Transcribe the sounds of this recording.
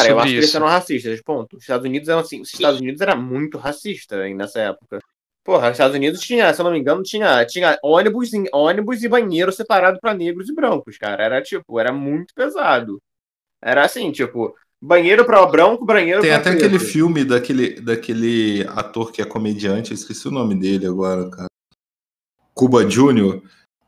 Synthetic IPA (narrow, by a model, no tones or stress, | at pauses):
kaɾɐewaʃʊkɪeisʊɛɾɐ̃ɦasiʃt̪ɐzpõnt̪ʊzɪ̥ʃt̪ad̪ʊzunid̪ʊzɛɾɐ̃w̃asĩʊzɪʃt̪ad̪ʊzunid̪ʊzɛɾɐmũj̃t̪ʊɦasiʃt̪ɐ̃nɛsɐɛpʊkɐ | poɦɐzʃt̪ad̪ʊzunid̪ʊʃt͡ʃĩɲɐsewnõmĩŋɡɐ̃nʊt͡ʃĩɲɐt͡ʃĩɲɐʔõnibʊzĩõnibʊzɪbɐ̃ɲeɾʊsepaɾad̪ʊpɾɐneɡɾʊzɪbɾɐ̃ŋkʊska̰ɾɐɛɾɐt͡ʃipʊɛɾɐmũj̃t̪ʊ̥pezad̪ʊ | ɛ̰ɾɐasĩt͡ʃipʊ | bɐ̃ɲejɾʊpɾɐbɾɐ̃ŋkʊbɐ̃ɲejɾʊẽj̃at̪ɛakelɪfiwmɪd̪ɐkelɪd̪akelɪa̰t̪oɾkɪɛkomed͡ʒiɐ̃t͡ʃɪiskesiʊnõmɪd̪elɪaɡɔɾɐkʰaɾɐ | kubɐʒunioɾ